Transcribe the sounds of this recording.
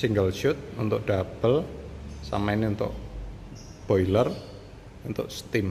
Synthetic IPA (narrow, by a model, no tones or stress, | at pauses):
siŋɡəlʃʊt̪̚unt̪ʊʔ̚ɖ̥ab̥əlsa̰mainiunt̪ʊ̰ʔ | b̥oilər | unt̪ʊʔst̪ɪm